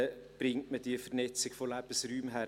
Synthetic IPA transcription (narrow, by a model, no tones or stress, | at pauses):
b̥ɾɪŋtməd̥iəfəɾnɛt͡sɪɡ̥folæːb̥əsryːmɦæ